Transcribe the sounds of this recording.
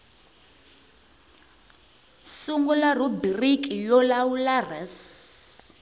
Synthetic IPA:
suŋɡɔlarubirikʼijɔlawularɛs

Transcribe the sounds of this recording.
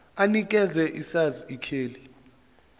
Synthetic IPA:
anikʼɛzɛʔisaziikʰeːli

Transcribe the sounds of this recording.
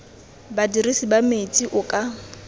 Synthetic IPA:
badirisibamet͡sʼiʔʊkʼa

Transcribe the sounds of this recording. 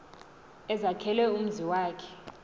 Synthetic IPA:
ɛzakʰɛlɛum̩ziwaːkʰɛ̥

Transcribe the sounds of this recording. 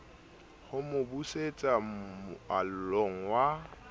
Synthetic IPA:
hʊmʊbuset͡sʼa | alʊloŋ̩wa

